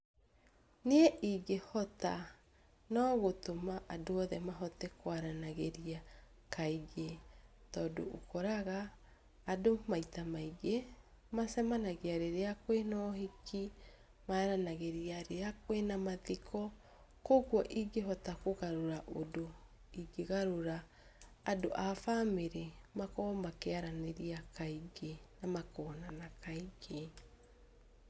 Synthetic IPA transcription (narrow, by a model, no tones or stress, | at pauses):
neɛʔiɡehɔta | nɔːɣotomaʔadoɔðɛmaɦɔtɛkwaɾanaɣeɾia | kʰaiɣetɔːdo̰ʔokɔɾaɣaː | domaitamaiɡe | masɛmanaɣeaɾeɾeakwenɔhiki | maaɾanaɣeɾiaɾeakwenamaðikʰɔ | koɣwɔʔiɡeɦɔtakoɣaɾoɾaʔodo | iɡeɣaɾoɾaː | doʔafameɾemakɔmakeaɾaneɾiakaiɡenamakɔːnanakaiɡe